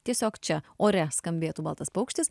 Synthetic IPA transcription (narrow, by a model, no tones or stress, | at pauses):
t̪ʲiɛsʲoːkt͡ʃʲɛoːɾʲɛskɐmʲbʲeːt̪uːbɐlˠt̪ɐspɐʊkʃʲt̪ʲɪs